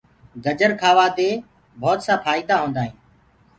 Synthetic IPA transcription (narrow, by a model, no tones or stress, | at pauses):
ɡəd͡ʒəɾkʰaːʋaːd̪eː | bʱɔːt̪saːfaːiːd̪aːɦõːnd̪aːɦĩː